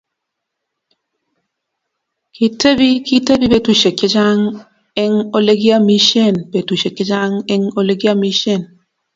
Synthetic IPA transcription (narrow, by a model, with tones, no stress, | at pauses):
kʰi˨te˦bi˦ki˦te˦bi˦pe˦tu˨ʃe˨kːe˦d͡ʒa˦ŋ | ɛ˦ŋo˦le˦ɡi˦a˦mi˦ʃe˦˨nbe˨tu˨ʃe˨ke˦d͡ʒa˦ŋɛ˦ŋo˦le˦ɡi˦a˦mi˦ʃe˦˨n